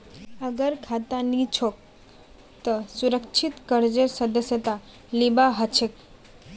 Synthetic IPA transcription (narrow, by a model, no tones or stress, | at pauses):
əɡəɾkʰat̪anit͡ʃʰok̚ | t̪əsuɾəkt͡ʃʰit̪kəɾd͡ʒəɾsəd̪əsjət̪a | libaɦət͡ʃʰek